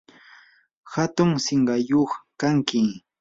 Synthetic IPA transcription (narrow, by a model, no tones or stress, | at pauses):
hat̪ʊŋsɪɴɢɑjoχkaŋkɪ